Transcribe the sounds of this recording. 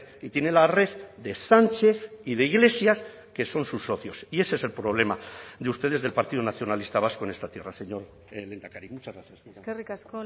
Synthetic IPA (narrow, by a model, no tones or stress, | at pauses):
it̪jenelare̞ððe̞sant͡ʃe̞θiðe̞iɣ̞le̞sjas | ke̞so̞nsusːo̞θjosie̞se̞se̞lpɾo̞β̞le̞mad̪eust̪e̞ðe̞zð̞e̞lpaɾt̪ið̞onaθjo̞nalist̪aβ̞asko̞ene̞st̪at̪je̞rase̞ɲo̞ɾ | lend̪akaɾimut͡ʃazɣɾaθjaserikask